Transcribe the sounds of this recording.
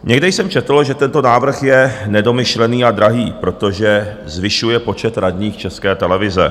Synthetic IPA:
ɲɛɡdɛjsɛmt͡ʃɛt̪l̩ʒɛt̪ɛnt̪o̞naːvr̩xjɛnɛdo̞mɪʃlɛniːadɾaɦiːpɾo̞t̪oʒɛ | zvɪʃujɛpo̞t͡ʃɛt̪ɾadɲiːxt͡ʃɛskɛːt̪ɛlɛvɪzɛ̰

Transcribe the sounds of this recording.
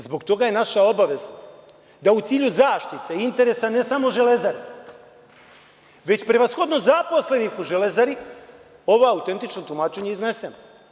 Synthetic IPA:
zbo̞kt̪o̞ɡaje̞naʃao̞baʋe̞za | d̪aut̪siːʎuzaːʃt̪it̪e̞int̪e̞ɾe̞sane̞samo̞ʒe̞le̞zaɾi | ʋe̞t͡ɕpɾeʋasxo̞d̪no̞zapo̞sle̞nixuʒelezaɾi | o̞ʋoaut̪e̞nt̪it͡ʃnot̪lumaːt͡ʃe̞ɲeizne̞se̞no

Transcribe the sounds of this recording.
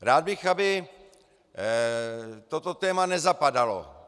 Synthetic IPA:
ɾaːd̪̚bɪxabɪ | t̪o̞t̪o̞t̪ɛːmanɛzapadalo̰

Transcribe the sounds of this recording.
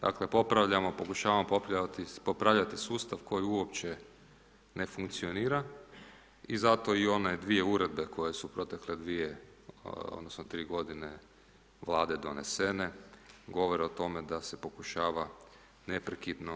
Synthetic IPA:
d̪̥a̰kle̞po̞pɾaʋʎamopo̞kuʃaːʋamopopɾaat̪ipopɾaʋʎat̪isuːst̪aʋko̞jiuopt͡ɕe | ne̞fuŋkt̪sio̞niːɾa | izat̪o̞io̞ned̪ʋie̞uɾe̞d̪̚be̞kʰo̞jesupɾo̞t̪e̞kled̪ʋije | o̰d̪nosnot̪ɾiːɡo̞d̪ine̞ | ʋlˠaːd̪e̞d̪o̞̰ne̞se̞ne̞ɡo̞ʋo̞ɾeot̪o̞me̞d̪asepo̞kuʃaːʋa | ne̞pɾekid̪no

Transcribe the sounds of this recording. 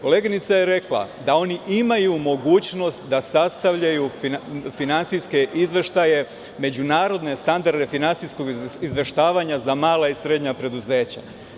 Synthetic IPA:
ko̞leːɡinit̪sajeɾe̞klˠa̰d̪ao̞niʔimajumo̞ɡuːt͡ɕno̞st̪d̪asast̪aʋʎajufinant̪siske̞ʔizʋeʃt̪aje̞ | me̞d͡ʑunaːɾo̞d̪ne̞st̪and̪aɾd̪e̞finant̪sisko̞ɡizʋe̞ʃt̪aːʋaɲazamaːlˠaisɾe̞d̪ɲapɾe̞d̪uze̞ːt͡ɕa̰

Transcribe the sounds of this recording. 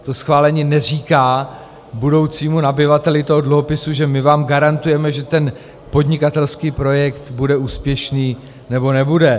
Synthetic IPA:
t̪o̞sxvaːlɛɲiːnɛr̝iːkaː | budo̞wt͡siːmunabɪvat̪ɛlɪt̪oɦodluɦo̞pɪsuʒɛmɪvaːmɡaɾant̪ujɛmɛʒɛt̪ɛn | po̞dɲɪkat̪ɛlskiːpɾo̞jɛkt̪budɛuːspjɛʃniː | nɛbo̞nɛbudɛ

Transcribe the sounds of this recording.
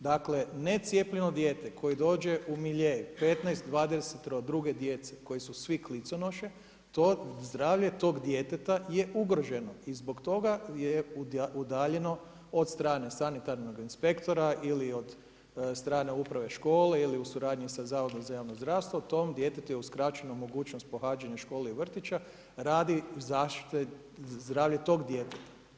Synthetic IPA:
d̪akle̞net̪sʲjeplʎeno̞d̪je̞ːt̪ekʰo̞jid̪o̞ːd͡ʒe̞ʔumiʎejupe̞t̪najst̪d̪ʋaːd̪eset̪ɾod̪ɾuɡe̞d̪jet̪seko̞jisusʋiklit̪sonoʃe | t̪ozd̪ɾaːʋʎe̞t̪o̞ːɡd̪jet̪et̪ajeʔuɡɾo̞ʒe̞noizbo̞kt̪o̞ɡajeud̪aːʎe̞no̞ | od̪st̪ɾaːne̞sanit̪aɾno̞ɡinspe̞kt̪o̞ɾaʔiliod̪ | st̪ɾaːne̞upɾaʋe̞ʃko̞ːle̞iliusuɾaːd̪ɲisazaːʋod̪omzajaːʋnozd̪ɾaʋst̪ʋot̪ːomd̪je̞t̪et̪ujeuskɾat͡ʃenomo̞ɡuːt͡ʃnost̪̚po̞xaːd͡ʒaɲaʃko̞ːleiʋr̩t̪it͡ʃa | ɾaːd̪izaːʃt̪i̥t̪e | zd̪ɾaːʋʎet̪o̞ɡd̪je̞t̪et̪ḁ

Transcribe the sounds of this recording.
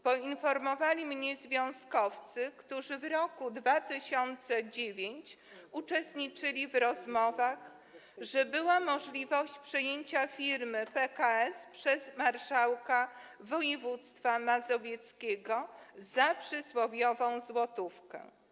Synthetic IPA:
pɔinfɔɾmɔvalʲimɲɛzvʲjɔ̃w̃skɔft̪sɘkt̪uʐɘvɾɔkud̪vat̪ɘɕɔnt̪sɛd͡ʑevʲjeɲt͡ɕ | ut͡ʂɛst̪ɲit͡ʂɘlʲivɾɔzmɔvax | ʐɛbɘwamɔʐlʲivɔɕt͡ɕpʂɛjeɲt͡ɕafʲiɾmɘpɛkaɛspʂɛzmaɾʂawkavɔjɛvut̪st̪famazɔvʲjɛt̪skʲeɡɔzapʂɘswɔvʲjɔvɔ̃w̃zwɔt̪ufkɛ̰̃

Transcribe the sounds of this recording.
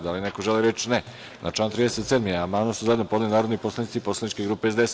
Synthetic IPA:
d̪alinekoʒeliɾet͡ʃne | nʔa̰t͡ʃlaːnt̪ɾiːd̪eset̪sed̪miamanasuzajed̪nopo̞d̪linaːɾod̪niposlanit̪siposlˠanit͡ʃkeɡɾuːpeezd̪ees

